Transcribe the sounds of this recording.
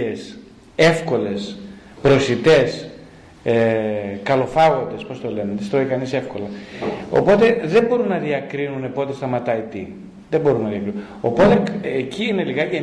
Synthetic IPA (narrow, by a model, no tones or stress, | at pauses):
es | e̞fko̞le̞s | pɾo̞sit̪e̞s | ekɐlo̞fɐɣo̞nd̪e̞spo̞st̪o̞le̞neðest̪ɾoikɐnise̞fko̞lɐo̰po̞t̪e̞ðembo̞ɾunːɐðiɐkɾinune̞po̞t̪e̞st̪ɐmɐt̪ɐit̪ḭ | ðembo̞ɾunːɐðiɐkɾiu | o̞po̞t̪e̞ecʰiine̞liɣɐʝe